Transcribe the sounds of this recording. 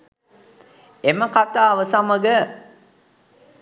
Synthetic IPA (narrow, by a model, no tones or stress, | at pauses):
eməkat̪aːʋəsaməɡə